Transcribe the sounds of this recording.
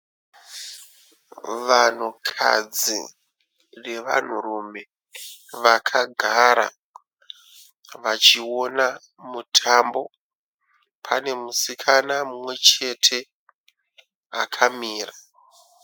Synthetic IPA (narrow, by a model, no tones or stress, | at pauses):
ʋan̤ukʰa̰d͡zḭ | re̞ʋa̰n̤urume̞ | ʋakʰaɡʱaɾa̰ | ʋat͡ʃio̞na | mutʰambo̞ | pʰane̞musikʰanamumwe̞t͡ʃe̞tʰe̞ | akʰamiːra